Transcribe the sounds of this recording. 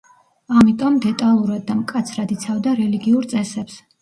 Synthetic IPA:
amit̪ʼɔmd̪ɛt̪ʼalˠuɾad̪̚ːamkʼat̪sʰɾad̪it̪sʰavd̪aɾɛliɡiuɾt̪sʼɛsɛps

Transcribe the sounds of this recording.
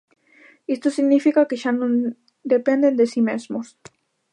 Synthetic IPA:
ist̪osiɣnifikakeʃanõn | d̪epend̪end̪esimezmos

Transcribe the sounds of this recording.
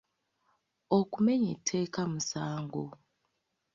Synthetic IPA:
okume̞ɲetʰːe̞ːkamusaːŋɡo̰

